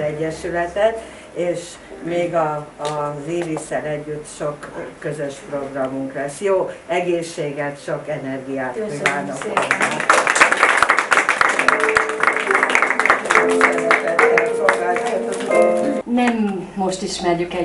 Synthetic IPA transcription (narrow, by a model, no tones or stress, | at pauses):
ɛɟːɛʃylɛt̪ɛt̪ | eːʃ | meːɡɒː | ziːvisɛlɛɟːyt̪ːʃo̞kːø̞zøʃpro̞ɡrɒmuŋklɛsjoːɛɡeːʃːeːɡɛt̪ʃokɛnɛrɡijaːt̪ivaːt̪ɒfoat̪ | sɛɛt̪ɛɛsolɡaːlt̪akt̪ot̪nɛmː | o̞ʃt̪iʃmɛrjykɛ